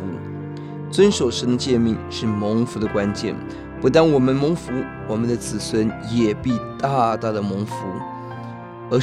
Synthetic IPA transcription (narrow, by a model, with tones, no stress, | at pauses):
u˧˥ | t͡swə˥nʂo˨˩ʊʂə˧˥nd̪ə˧t͡ɕjɛ˥˧nmi˥˧ŋʂɻ̩˥˩mɤ˧˥ŋfu˧˥d̪ə˧kwa˥nt͡ɕjɛ̰˥˩n | pu˧˥t̪a˥nwɔ˨˩mə˧˦nmɤ˧˥ŋfu˧˥ | wɔ˨˩mə˦nd̪ə˧t͡sɹ̩˨˩swə˧˥njɛ˨˩pi˥˧t̪a˥˧t̪a˥˩d̪ə˩mo˧˥ŋfu˧˥ | ə˞˧˥